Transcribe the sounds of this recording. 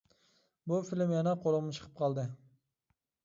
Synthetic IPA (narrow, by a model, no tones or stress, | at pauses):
bufilmjɛnɛqʰolˠəʁmnɨt͡ʃʰə̥qʰə̥p̚qʰɑlˠd̪ɨ